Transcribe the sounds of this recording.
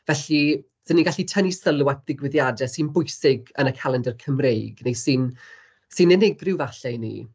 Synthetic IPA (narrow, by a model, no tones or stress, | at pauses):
vɛɬi | səniɡaɬitʰənisəlˠwat̚ʰðɪɡwɪðjadɛsɨnbʊɨsɪɡənəkʰalˠɛndɛrkʰəmrejɡ̥nejsɨn | sɨnɛnɪɡrɪwvaɬɛjnḭ